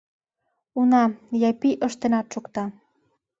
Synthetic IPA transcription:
unɑjɑpiʔəʃt̪enɑt̪ʃukt̪ɑ

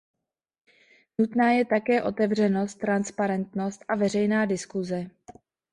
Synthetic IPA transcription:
nut̪naːjɛt̪akɛːʔo̞t̪ɛvr̝ɛno̞st̪ːɾanspaɾɛnt̪no̞st̪ʔavɛr̝ɛjnaːdɪskuzɛ

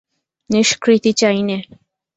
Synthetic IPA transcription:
neʃkɾit̪it͡ɕajne

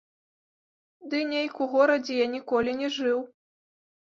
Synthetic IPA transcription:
d̪ɨnʲejkuɣɔɾɐd͡zʲɛjanʲikɔlʲinʲɛʐɨw

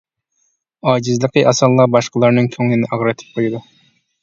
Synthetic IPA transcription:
ɑːd͡ʒɪzlˠəqəʔɑsɑlˠːɑbɑʃqəlˠɑɾnɨŋkʲʰøŋlɪnɪʔɑʁɾɨt̪ʰɪ̥p̚qʰojˠɨd̪u

